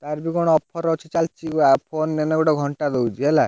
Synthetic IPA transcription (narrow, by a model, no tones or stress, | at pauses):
t̪aɾbiɡɔɽ̃ɔɔpʰɔɾɔt͡ʃʰit͡ʃalt͡ʃiɡapʰonːenɔɡɔɽɔɡʱɔɳʈad̪owd͡ʒiela